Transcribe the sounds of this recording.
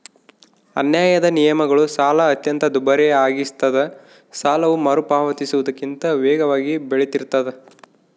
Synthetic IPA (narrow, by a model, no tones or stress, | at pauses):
ɐ̰njaːjɐd̪ɐnijɐmɐɡɐɭusaːlɐːt̪jɐnt̪ɐd̪ubɐɾeaːɡist̪ɐd̪e | saːlɐʋumɐɾupaːʋɐt̪isuʋud̪ɐkːint̪ɐʋɛːɡɐʋaːɡibeɭet̪iɾt̪ːɐd̪e